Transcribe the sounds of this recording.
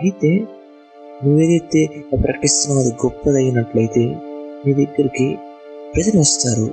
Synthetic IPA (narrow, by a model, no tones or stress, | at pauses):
ɐjit̪e̞ː | nuʋe̞ːd̪ɐjt̪e̞pɾɐkɐʈ̪ist̪ɐmɐnɐd̪iɡɔpːɐd̪ɐɡinɐʈluɐjit̪e̞ːniːd̪iɡɐɾiki | pɾɐd͡ʒ̪ɐniʋɐst̪aːɾu